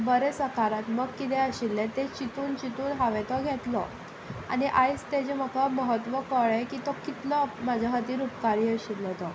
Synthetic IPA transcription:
bəɾesəkaɾat̪məɡkit̪ɛəɕilːet̪et͡ɕit̪uːnt͡ɕit̪uːnɦaʋet̪ɔɡʱɛt̪lɔ | a̰niʔajst̪ed͡ʑem̤əkaməɦət̪ʋəkəɭekit̪ɔkːit̪ləmad͡zʱaɦət̪iːɾupkaɾiːəɕilːɔt̪ɔ

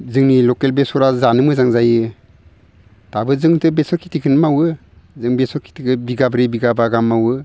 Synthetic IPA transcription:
zɯŋnilɔkelbesɔɾazanɯmɯzaŋzajɯ | tabɯzɯŋtʰɯbesɔkʰi̥tʰikʰɯnmawɯ | zɯŋbesɔɾkʰi̥tʰikʰɯbiɡabɾebiɡabaɡamːawɯ

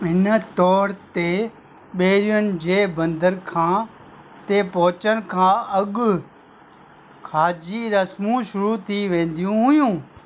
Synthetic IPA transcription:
ɪnt̪ɔːɾt̪eː | ɓeːɾɪjənd͡ʒeːbə̃nd̪əɾkʰãː | t̪eːpɔːt͡ʃənkʰãːəɡ | kʰaːd͡ʒiːɾəsmũːʃʊɾuːt̪ʰiːʋẽːnd̪ijũːɦʊjũː

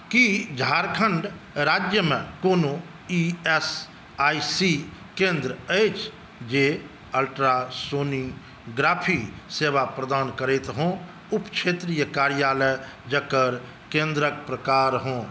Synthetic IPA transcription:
kid͡ʒʱaːɾkʰəɳɖ | ɾaːd͡ʒjəmẽkoːno | ies | aːisikẽːnd̪ɾəeːt͡ʃ | d͡ʒeː | əlʈɾasoːni | ɡɾaːpʰiseːʋapɾəd̪aːnkəɾeːt̪ɦõː | ʊpt͡ʃʰeːt̪ɾiːjəkaːɾjaːləj | d͡ʒəkəɾ | kẽːnd̪ɾək̚pɾəkaːɾɦõː

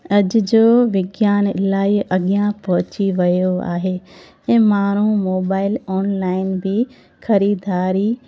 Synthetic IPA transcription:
ɐʄd͡ʑoːʋɪɡjaːnlaːiɐɠjãpɐɦʊ̃t͡ɕiʋɐjoa̰ːɦeː | ẽːmaːɾ̤̃ũmoːbaːɪlɔːnlaːɪnbʱi | xɐɾiːd̪ʱaːɾi

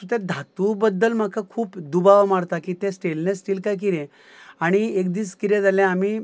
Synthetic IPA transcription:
ut̪ɛd̪ʱat̪ubəd̪ːəlm̤akʰakʰuːpd̪ubaʋmaɽt̪akit̪ɛ̃sʈelnẽsʈiːlkajk̬iɾɛ̃ | aɽ̃iek̚d̪iːskiɾɛ̃d͡zalɛ̃am̤iː

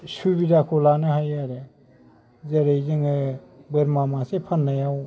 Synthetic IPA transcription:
subidakʰɔlanɯɦajaɾe | zeɾejzɯŋɯbɯɾmamasepʰanːajaw

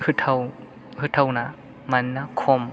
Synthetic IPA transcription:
hɯtʰaw | hɯtʰawna | manːakʰɔm

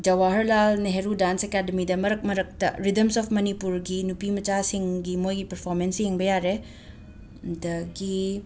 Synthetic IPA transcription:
d͡ʒɐwaɦɐɾlalneɦeɾudansekadɐmidɐmɐɾɐk̚mɐɾɐk̚tɐ̰ɾidɐmsɔpʰmɐnipuɾɡinupimɐt͡ʃasiŋɡimojɡipɐɾpʰɔɾmensjeŋbɐjaɾe | dɐɡi

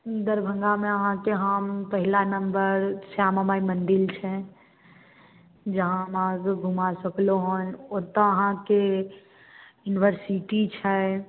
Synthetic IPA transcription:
d̪əɾbʱə̃ŋɡameəɦãkeɦəmpəɦilanəmbəɾsjaməmaimənɖilt͡ʃʰɛ̃ | d͡ʒəɦãmaɡɡʱumasəkloɦõnoɾt̪əəɦãke | juniʋəɾsiʈit͡ʃʰɛ

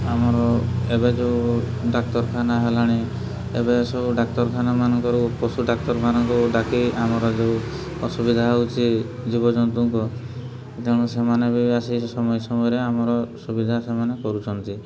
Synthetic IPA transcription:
amɔɾɔebed͡ʒeu | ɖak̚t̪ɔɾkʰanaɦelaɽ̃e | ebeseuɖakt̪ɔɾkʰanamanɔŋkɔɾupɾosuɖak̚t̪ɔɾmʰanɔŋkɔɖakiamɔɾɔd͡ʒeu | ɔsubid̪ʱaut͡ʃid͡ʒibɔd͡ʒɔnt̪uŋkɔ | keɽ̃ɔsemanebibasisɔmɔjɔsɔmɔjɔɾeamɔɾɔsubid̪ʱasemanekɔɾut͡ʃʰɔnt̪i

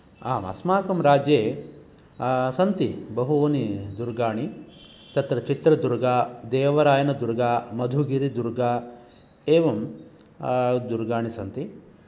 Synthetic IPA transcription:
aːmɐ̰smaːkɐmɾaːd͡ʒjeː | sɐnt̪ibɐɦuoːnid̪uɾɡaːɳi | t̪ɐt̪ɾɐt͡ʃit̪ɾɐd̪uɾɡaːd̪eːʋɐɾaːjɐnɐd̪uɾɡaːmɐd̪ʱuɡiɾid̪uɾɡaː | eːʋɐm | d̪uɾɡaːɳisɐnt̪i

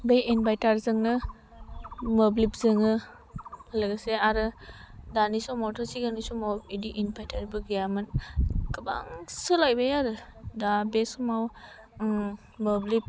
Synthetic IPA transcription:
bejinbajtaɾzɯŋnɯ | moblip̚zɯŋɯ | lɯɡaseaɾɯdanisɔmɔtʰɔɾsiɡanisɔmawidiʔinbajtʰaɾbɯɡijamɯnkɯba̰ŋsɯlajbajaɾɯdabesɔmaw | moblip̚

